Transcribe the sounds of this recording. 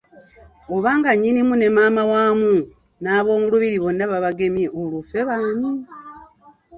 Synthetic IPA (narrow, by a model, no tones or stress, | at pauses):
oβaːŋɡaɲinimune̞mamawaːmu | naβo̞ːŋɡuluβiɾiβonaβaβaɡe̞mjeʔolufeβaːɲi